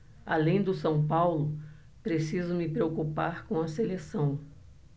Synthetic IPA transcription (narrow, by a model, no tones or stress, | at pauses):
a̰lẽj̃d̪ʊsɐ̃w̃pawlʊ | pɾesizʊmɪpɾeokupa̰ɾkõw̃ɐselesɐ̃w̃